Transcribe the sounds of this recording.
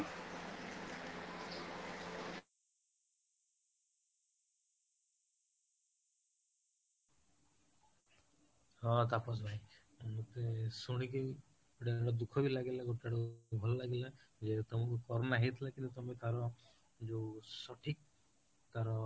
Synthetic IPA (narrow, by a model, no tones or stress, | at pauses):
ɦɔt̪apɔs̬bʱaĩ | mut̪esuɽ̃iki | ɡoʈaɽɔd̪ukʰɔbilaɡelaɡoʈaɽɔbʱɔlɔlaɡilad͡ʒet̪ɔmɔkukɔɾɔnaɦet̪ʰilakint̪ut̪ɔmet̪aɾɔ | d͡ʒosɔʈʰik̚ | t̪aɾɔ